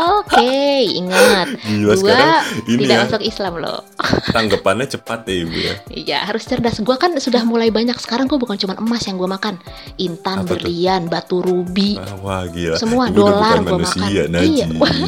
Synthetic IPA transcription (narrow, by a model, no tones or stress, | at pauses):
okeḭŋat̪̚iauaɾiniiaasɔkislamlo̰t̪aŋɡəpanɲat͡ʃəpat̪̚ɛibṵja̰ḭja̰haɾʊst͡ʃərdasɡuakansudahmulaibaɲaksə̥kaɾaŋɡuabukant͡ʃumanəmasjaŋɡuamakan | int̪anbərlianbat̪uɾubiwahɡisəmuadolarɡmauanumakiaanaid͡ʒjai